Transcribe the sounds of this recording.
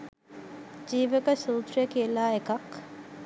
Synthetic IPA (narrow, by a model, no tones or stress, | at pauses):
d͡ʒiːʋekɐsuːt̪ɾjekielaːekɐk